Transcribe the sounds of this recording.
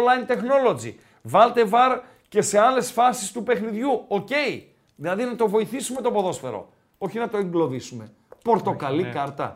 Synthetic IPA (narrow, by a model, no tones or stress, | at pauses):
lɐjnt̪e̞xno̞lo̞d͡zḭ | vɐlt̪e̞vɐɾ | ce̞se̞ɐle̞sfɐsist̪upe̞xniðʝuoce̞i | ðilɐðinɐt̪o̞vo̞iθisume̞t̪o̞po̞ðo̞sfe̞ɾo̞̰ | o̞çinɐt̪oeŋɡlo̞ðisume̞ | po̞ɾt̪o̞kɐlikɐɾt̪ɐ̰